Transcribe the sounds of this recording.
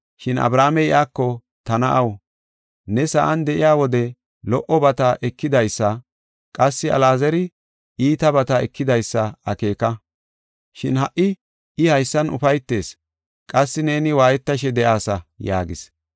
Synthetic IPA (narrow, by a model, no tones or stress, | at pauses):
ʃɪnɐ̰bɾaːmɛɪʔaːkːɔ | t̪ɐnɐʔɐw | nɛsɐʔɐnd̪ɛʔɪjaːwɔd̪ɛ | lɔʔɔbɐt̪ɐʔɛkːɪd̪ɐjsːɐ | kʼɐsːɪɐ̰laːzɛɾɪ | ʔiːt̪ɐbɐt̪ɐɛkːɪd̪ɐjsːɐɐke̞ːkɐ | ʃɪnhɐʔːɪ | ɪhɐjsːɐnʊ̰fɐjt̪ːe̞ːs | kʼɐsːɪne̞ːnɪwaːjɛt̪ːɐʃ̬ɛd̪ɛʔaːsɐja̰ːɡɪ̰s